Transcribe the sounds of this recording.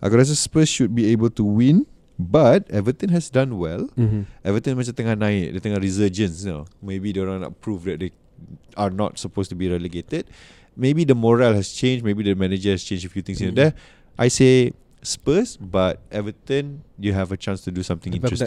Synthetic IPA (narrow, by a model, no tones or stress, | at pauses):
ʔa̰kɔɾas̬əspəsʃud̚biebəltuwĩn | batɛvɹit̪ɪ̃ŋɦɛsdãnwɛlʔɛvɹit̪ĩŋmɛ̃sdet̪ə̃ŋanaɪʔ̚det̪ə̃ŋaɹizəd͡ʒə̃nsnamebideɹãnɔ̰ʔ̚pʰɹufdɛt̚de | anɔ̰t̚səpostubiɹɛləɡetəd̚ | mebidəmɔɹalhɛst͡ʃẽnd͡ʒmebidəmɛned͡ʒəhɛst͡ʃẽnd͡ʒəfjut̪ĩŋs̬ĩndɛ | ʔajse | spəsbat̚ɛvɹit̪ĩnjuɦɛvət͡ʃãnstudusãmt̪ɪ̃ŋĩnɹɛs